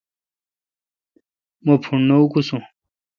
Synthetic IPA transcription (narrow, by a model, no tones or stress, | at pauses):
mopʰuɳnoukusũ